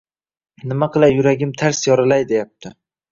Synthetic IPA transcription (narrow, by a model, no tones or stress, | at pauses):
nɪmaqʰɨlˠajʊɾaɡʲɪmt̪ʰaɾsjɒɾalajd̪e̞jap̚t̪ʰɪ